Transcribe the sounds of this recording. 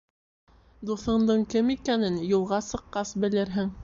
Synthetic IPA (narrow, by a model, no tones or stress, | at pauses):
d̪uθɤ̆ɴd̪ɤɴkɘmikænɘnjulˠʁɑsɤ̆qːɑsbɘ̆lɘɾɦɘŋ